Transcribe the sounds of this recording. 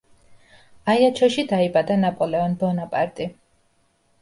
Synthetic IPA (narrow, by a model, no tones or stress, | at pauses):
ajat͡ʃʰɔʃid̪aibad̪anapʼɔlɛɔnbɔnapʼaɾt̪ʼi